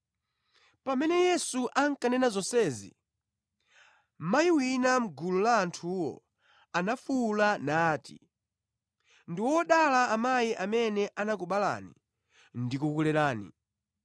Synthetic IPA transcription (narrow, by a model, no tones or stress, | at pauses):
pamɛnɛjɛsuʔaŋkanɛnazɔsɛːzḭ | majiwinam̩ɡululaːntʰuwɔ̰ | anafulanaːtḭ | ndiwɔɗalaːmajiʔamɛnɛʔanakuɓala̰ni | ndikukulɛɾaːnḭ